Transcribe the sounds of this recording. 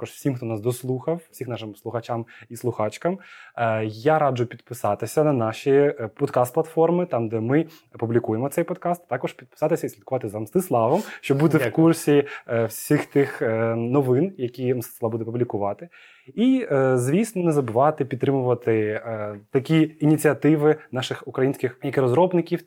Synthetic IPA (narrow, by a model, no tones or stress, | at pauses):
t̪akɔʂfsʲimxt̪ɔnɑsd̪ɔslˠuxɐwfsʲixnɑʃɪmslˠʊxɐt͡ʃamislˠʊxɑt͡ʃkɐm | jaɾɑd͡ʒʊpʲid̪pɪsɑt̪ɪsʲɐnɐnɑʃipɔd̪kɑst̪plˠɐt̪fɔrmɪt̪ɑmd̪ɛmɪ | publʲikujemɔt̪sɛjpɔd̪kɑst̪t̪ɑkɔʂpʲid̪̚pɪ̥sɑt̪ɪsʲɐisʲlʲid̪̚kʊʋɑt̪ɪzɐmst̪ɪslˠɑʋɔmʃt͡ʃɔbud̪ɛkursʲiwsʲixt̪ɪxnɔʋɪnjɐkʲimst̪ɪ̥slˠɑbud̪ɛpublʲikʊʋɑt̪ɪ | izʲʋʲisnɔnɛzɐbɪʋɑt̪ɪpʲid̪̚t̪ːɾɪmʊʋɐt̪ɪ | t̪ɐkʲiinʲit͡sʲiɐt̪ɪʋɪnɑʃɪxʊkɾɐjinʲsʲkʲɪxjɐkɪɾɔzɾɔbnɪkʲiw